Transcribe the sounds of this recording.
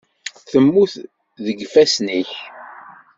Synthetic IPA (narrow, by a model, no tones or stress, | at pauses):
θəmːuθ | ðəɡfæsniç